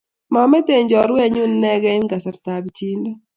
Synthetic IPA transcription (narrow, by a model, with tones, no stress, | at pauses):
ma˨mɛ˦te˨ɲd͡ʒɔ˨ɾwɛ˦˨ɲʊ˦nː˦ɛ˦ɡɛ˦ɪ˦nɡa˨sa˨ɾta˨bt͡ʃi˦nda˦